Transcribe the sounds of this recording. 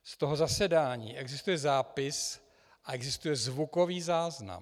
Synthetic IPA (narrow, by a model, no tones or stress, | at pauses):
st̪o̞ɦo̞zasɛdaːɲḭːʔɛɡzɪst̪ujɛzaːpɪs | ʔaʔɛɡzɪst̪ujɛzvuko̞viːzaːzna̰m